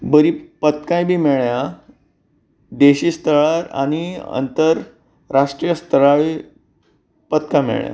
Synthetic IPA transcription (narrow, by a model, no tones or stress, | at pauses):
bəɾiːpət̪kãjbʱiːmeɭja | d̪eɕiːst̪əɭaɾa̰niə̰nt̪əɾ | ɾaʂʈɾijəst̪əɾaʋi | pət̪kãmḛɭja̰